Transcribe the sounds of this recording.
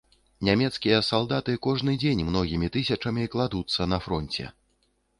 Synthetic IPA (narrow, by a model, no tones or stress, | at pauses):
nʲamʲɛt̪skʲijɐsalˠd̪at̪ɨkɔʐnɨd͡zʲenʲmnɔɣʲimʲit̪ɨsʲɐt͡ʂɐmʲiklˠad̪ut̪sːɐnɐfɾɔnʲt͡sʲɛ̰